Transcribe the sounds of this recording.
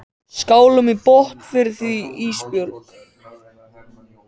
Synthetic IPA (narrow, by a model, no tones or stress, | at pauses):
skaːwlʏmipɔht̪fɪɾɪɾ̥θiiːspjɔwlk